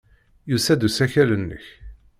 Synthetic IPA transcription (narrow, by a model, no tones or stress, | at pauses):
jusæd̪usæçælənːə̰ç